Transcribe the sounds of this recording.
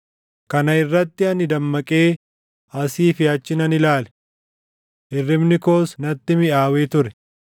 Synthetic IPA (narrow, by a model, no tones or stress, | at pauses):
kɐnɐɪrːɐt̪ːɪɐnɪd̪ɐmːɐkʼeː | ɐsiːfɪɐt͡ʃːɪnɐnɪlaːlɛ̥ | ʔɪrːɪmnɪko̞ːsnɐt̪ːɪmɪʔaːweːt̪ʊɾɛ̥